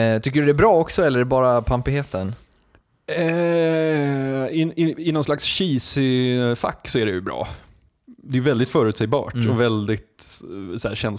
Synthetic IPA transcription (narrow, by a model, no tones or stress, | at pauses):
t̪ʰʏkːəɖɵd̪ɛæːbɾɑːɔksɔɛlːəɛbɑːɾapʰampɪheːt̪ən | ɛ | ɪɪɪnɔnslaksɕiːsɪfa̰kːsɔæɖɛjʉbɾɑ̰ː | d̪ɛːjʏvɛld̪ɪt̪fœːɾʉ̟t̪sɛjbɑ̰ːʈɔvɛld̪ɪt̪sæːɕɛn